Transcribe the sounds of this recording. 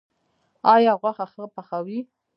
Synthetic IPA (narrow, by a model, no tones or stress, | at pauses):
ajaʁʷaχaχəpʰaχawi